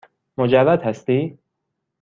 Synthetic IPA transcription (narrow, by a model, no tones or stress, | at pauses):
mod͡ʒævæd̪hæst̪iː